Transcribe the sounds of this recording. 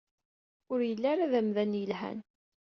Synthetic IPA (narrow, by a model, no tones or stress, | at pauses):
ʊɾjəlːaɾaðæmðænjəlhæ̰n